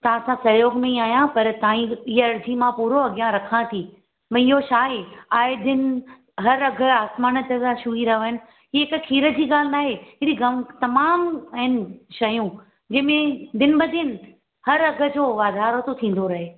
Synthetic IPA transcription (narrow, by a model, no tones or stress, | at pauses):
t̪ɐʋ̤ãsãsɐjoːɡmẽiaːjãpɐɾt̪ɐĩɪɦɐɾd̪ʱimãpuːɾoɐɡjãɾɐkʰãt̪ʰiː | mɐ̃ɪɦoʃaːɦeaːɦed̪ɪn | ɦɐɾɐɡʱə̆aːsmaːnə̆t̪ɐd̪aʃuiɾɐɦəɦɪnɪ̆ | ɦiːɦɪkkʰiːɾə̆d͡ʑiːɡaːl̤ɪnaːɦeɦɪɾiɡɐmt̪ɐmaːmɐɦɪnɪ̆ʃɐjũ | d͡ʑɐ̃ːɪ̃mẽd̪ɪnbɐd̪ʱɪn̆ | hɐɾɐɡʱə̆d͡ʑoːʋaːd̪ʱaːɾot̪ot̪ʰĩːn̆d̪oɾɐɦeː